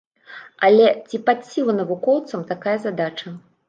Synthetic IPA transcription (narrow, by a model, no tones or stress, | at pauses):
ɐlʲɛt͡sʲipat̪sʲilˠɐnɐvukɔwt̪sɐmt̪akajɐzad̪at͡ʂɐ